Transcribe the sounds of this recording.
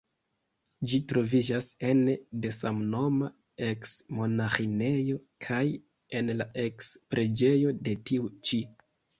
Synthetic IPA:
d͡ʒitɾo̞vid͡ʒase̞nde̞samno̞ma | e̞ksmo̞naxine̞jo̞kʰaj | e̞nlaʔe̞kspɾʔe̞d͡ʒe̞jo̞de̞tiut͡ʃi

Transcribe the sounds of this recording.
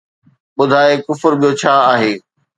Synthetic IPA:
ɓʊd̪ʱaːekʊfəɾɓijot͡ɕʰaːaːɦeː

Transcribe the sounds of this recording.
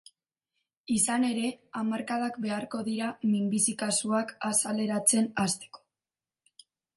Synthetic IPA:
isane̞ɾe̞amaɾkaðakbe̞aɾko̞ðiɾamimbisikasuakasale̞ɾat͡se̞nast̪e̥ko̥

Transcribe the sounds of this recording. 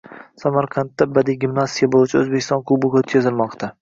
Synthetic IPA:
samaɾqʰɑnt̪ːabad̪iɡʲɪmnasijabolˠɪt͡ʃʰaɵzbekʲʰːɪst̪ɒnkʰubʊkʲot̪kʰʲezɪlmɒqt̪ʰa

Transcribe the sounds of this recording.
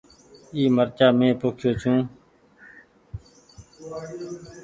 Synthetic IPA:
iːməɾt͡ʃaːmẽːpoːkʰjoːt͡ʃʰũː

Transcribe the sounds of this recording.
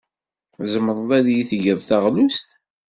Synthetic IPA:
zəməɾˤəðˤæðjiθʝəðˤθæʁlust̪

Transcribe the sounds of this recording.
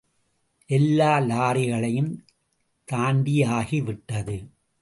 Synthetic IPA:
ʔɛlːaːlaːɾɪɣɐɭɐjɯm | t̪aːɳɖijaːɣiʋɪʈːɐðɯ

